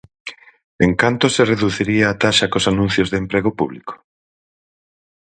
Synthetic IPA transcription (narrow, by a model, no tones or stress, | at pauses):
eŋkant̪osereðuθiɾiaːt̪aʃakosanũn̟θjozðempɾeɣ̞opuβliko̥